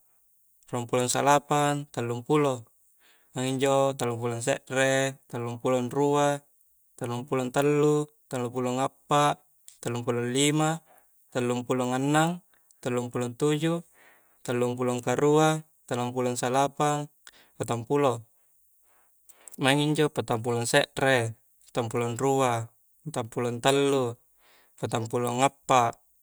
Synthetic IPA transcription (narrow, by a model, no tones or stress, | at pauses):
rampuloŋsalapant̪alːuŋpulo | maŋiɲd͡ʒot̪alːump̬ulɔns̬ɛʔret̪alːuŋpulonrua | t̪alːumpulɔnt̪alːu | t̪alːupuloŋapːaʔ | t̪alːumpulonlima | t̪alːumpuloŋanːaŋ | t̪alːumpulont̪ud͡ʒu | t̪alːumpuloŋkaɾua | t̪alːumpulɔŋsalapaŋ | pat̪ampulo | maiŋiɲd͡ʒopat̪amp̬ulɔŋsɛʔɾe | pḁt̪ampulonrua | t̪ampulɔnt̪alːu | pat̪ampuloŋapːaʔ